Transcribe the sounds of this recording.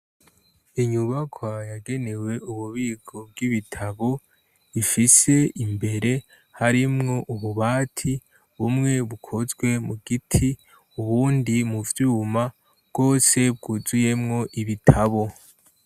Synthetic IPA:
iɲuβakʰwajaɡe̞ne̞we̞uβuβiːɡʰobɡiβitʰaβo̞ | ifise̞imbe̞ɾe̞ | haɾimŋo̞ʔuβuβaːtʰi | βumŋe̞βukʰo̞zɡwe̞muɡitʰi | uβuːndimuvjuːma | bɡ̥o̞ːse̞bɡuzuje̞mŋo̞ʔiβitʰaβo̞

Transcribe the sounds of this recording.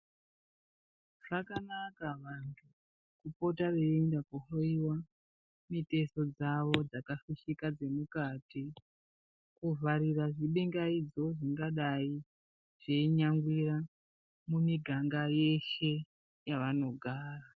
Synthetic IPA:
ʐ̥akanakaʋantʰu | kupo̞tareendakuɦoiwa | mite̞so̞d͡zaʋo̞d͡zakafiʃikad͡ze̞mukati | kuvaɾiraʐiɓeŋɡaid͡zo̞ʐiŋɡaɗai | ʐ̥eiɲaŋɡwira | mumiɡʱaŋɡaje̞ʃe̞ | jaʋano̞ɡʱaːra

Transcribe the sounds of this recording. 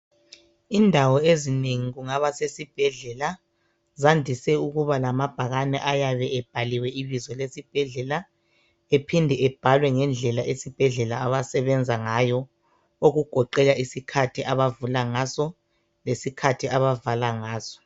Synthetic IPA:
indʱawɔezineŋiɣuŋaβasesib̥ʱɛɮɛla | zandʱisɛuɣuβalamab̥ʱaɣanɛ̰ʔajaβɛɛb̥ʱaliwɛiβizɔlesib̥ʱɛɮɛla | epʰindʱɛɛb̥ʱalwɛŋɛnd͡ɮʱɛlaʔesib̥ʱɛɮɛlaaβasɛβɛnd͡zʱaŋajɔ | oɣuɡ̥ʱɔǃɛɣaisikʰatʰiʔaβavulaŋasɔ | lesikʰatʰiaβavalaŋaːsɔ̥

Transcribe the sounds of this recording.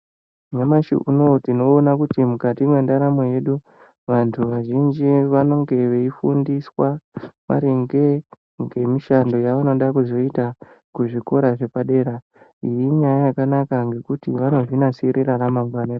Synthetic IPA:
ɲamaʃḭʔuno̞tino̞ːnakutimukatimwe̞ndaɾamo̞je̞ɗu | ʋantʰuʋaʒind͡ʒiʋano̞ŋɡe̞ʋeifundiswama̰ɾiŋɡe̞ | ŋɡe̞miʃando̞jaʋano̞ɗakuzo̞ita | kuʐiko̞ɾaʐe̞paɗe̞ːɾa | ijiɲajajakanakaŋɡe̞kutiʋano̞ʐinasiɾiraramaŋɡwanera

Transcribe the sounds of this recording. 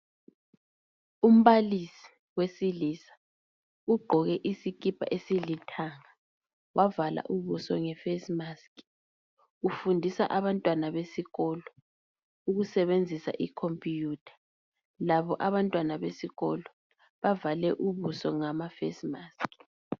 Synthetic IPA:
um̩βalisi̥ | wesiliːsḁ | uɡ͡ǃʱɔɣɛʔisik̬ʼipʰʼa̰ʔesilitʰaŋa | wʔavala̰ʔuβusɔ̰ŋɛfesmask | ufundʱisa̰ʔaβantʼwanaβesiɣɔlɔ | uɣusɛβend͡zʱisa̰ʔikʰompʼijuːtʰḁ | laβɔʔaβantʼwanaβesiɣɔlɔ | βavalɛʔuβusɔŋamafḛsimaːsk

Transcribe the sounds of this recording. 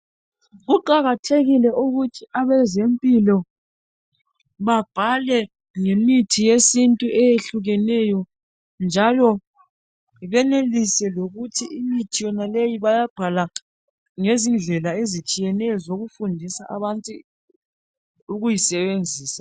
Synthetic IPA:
ɣuǃaɣatʰeɣilɛʔuɣutʰiaβɛzempʼilɔ | βab̥ʱalɛ | ŋemitʰijesintʼuʔɛjeɬuɣɛnɛjɔ | nd͡ʒʱalɔ | βɛnelisɛloɣutʰiimitʰijɔnalejiβajab̥ʱala | ŋezind͡ɮʱɛlaezit͡ʃʼijɛnɛjɔzoɣufundʱisaʔa̰βantʼu | uɣujisɛβend͡zʱiːsḁ

